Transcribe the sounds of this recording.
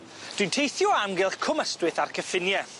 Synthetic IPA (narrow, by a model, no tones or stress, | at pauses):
d̥wijntʰejθjɔamɡɪlˠχkʰʊməstwɨθarkʰəfɪnjɛ